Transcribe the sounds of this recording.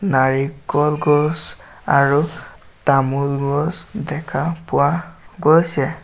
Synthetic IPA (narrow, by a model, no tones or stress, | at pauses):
naɹikːɔlɡɔs | aɹu | tamulɡɔsdɛkʰapʊwaɡojsɛ